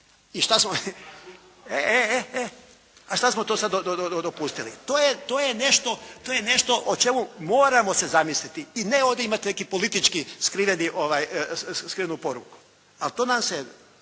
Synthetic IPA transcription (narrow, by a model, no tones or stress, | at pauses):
iʃt̪asmo | eeee | aʃt̪asmot̪osad̪od̪od̪od̪od̪opust̪ilḭt̪oːjet̪oːjene̞ʃt̪o̞t̪ojene̞ʃt̪o̞ʔot͡ʃe̞mumo̞ːɾamo̞se̞zamislit̪iineo̞ːʋd̪ʲeimat̪ine̞kipo̞lit̪it͡ʃkiskɾiʋeniʔo̞ʋaːjskɾiʋenupo̞ɾuku̥ | alt̪o̞ːnamse